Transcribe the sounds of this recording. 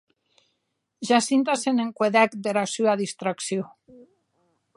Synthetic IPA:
ʒasint̪aseneŋkweðɛkd̪eɾasyaðist̪ɾaksjo

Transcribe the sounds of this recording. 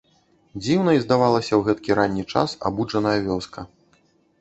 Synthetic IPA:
d͡zʲiwnɐizd̪avalˠɐsʲɐwɣɛt̪̚kʲiɾanʲːit͡ʂa̰sa̰bud͡ʐɐnɐjɐvʲɔskɐ

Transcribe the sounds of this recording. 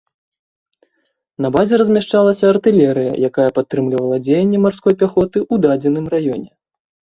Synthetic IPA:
nɐbazʲɛɾɐzʲmʲɛʂt͡ʂalˠɐsʲɐːrt̪ɨlʲɛɾɨjɐ̰jakajɐpat̪ːɾɨmlʲivɐlˠɐd͡zʲejɛnʲːɛmarskɔjpʲaxɔt̪ɨʔud̪ad͡zʲɛnɨmrajɔnʲɛ

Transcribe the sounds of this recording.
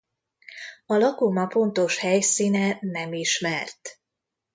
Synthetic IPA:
ɒlɒkomɒpo̞nt̪o̞ʃhɛjsiːnɛnɛmiʃmɛrt̪

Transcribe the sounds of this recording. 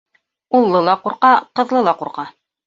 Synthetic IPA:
ulˠːɤlˠɑquɾqɑqɤ̆ðlˠɤlˠɑquɾqɑ

